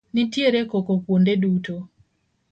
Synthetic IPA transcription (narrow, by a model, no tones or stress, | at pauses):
nitjeɾekokokwondeduto